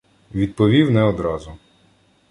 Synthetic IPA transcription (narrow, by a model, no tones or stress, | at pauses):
ʋʲid̪̚pɔʋʲiwnɛɔd̪ɾɑzʊ